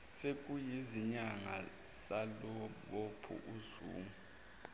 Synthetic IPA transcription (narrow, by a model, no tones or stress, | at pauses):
sek̬ʼujiziɲaŋa | saloɓopʰṵʔuzṵːmu